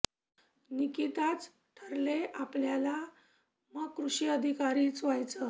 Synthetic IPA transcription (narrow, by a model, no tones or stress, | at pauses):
nikit̪at͡s | ʈʰəɾleʔapljala | məɡkɾuɕiəd̪ʱikaɾiːt͡sʋajt͡sə